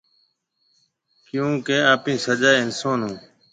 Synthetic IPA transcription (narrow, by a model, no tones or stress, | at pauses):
kjũːkeːaːpĩːsəd͡ʒaːɪnsoːnɦũː